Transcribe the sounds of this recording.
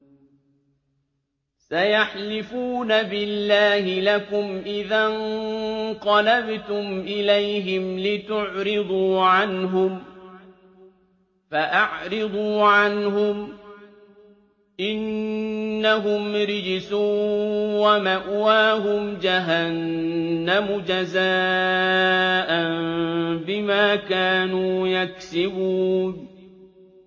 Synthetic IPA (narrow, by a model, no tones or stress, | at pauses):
sajaħlɪfuːnabɪlːaːhɪlakʊmʔɪðan | qɑlabt̪ʊmʔɪlajɦɪmlɪt̪ʊʕɾɪd̪ˤuːʕanɦʊm | faʔaʕɾɨd̪ˤuːʕanɦʊm | ʔɪnː | aɦʊmɾɪd͡ʒɪsuːwamaʔwaːɦʊmd͡ʒaɦanː | amʊd͡ʒazaː | ʔanbɪmaːkaːnuːjaksɪbuːn